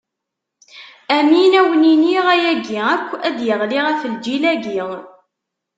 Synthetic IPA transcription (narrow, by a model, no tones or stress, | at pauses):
æminæwəniniʁæjæɡiækʷːæd̪jəʁliʁæfəld͡ʒilæɡi